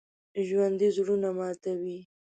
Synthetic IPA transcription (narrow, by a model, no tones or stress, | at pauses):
ʒwand̪izɽunamɑt̪awi